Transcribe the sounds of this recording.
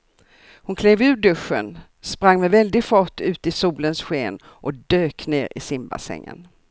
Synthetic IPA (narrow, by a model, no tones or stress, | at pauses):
hʊnkʰleːvʉ̟ːɖɵʂːə̰n | spɾaŋːmɛvɛld̪ɪɡfɔʈːʉ̟ːt̪ɪsuːlənsɧeːn | ʔɔd̪øːkneːɾɪ̰sɪmba̰sɛ̰ŋːə̰n